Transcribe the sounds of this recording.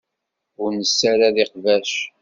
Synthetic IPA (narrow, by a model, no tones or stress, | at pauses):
ʊɾnəsːæɾaðɪqvæʃ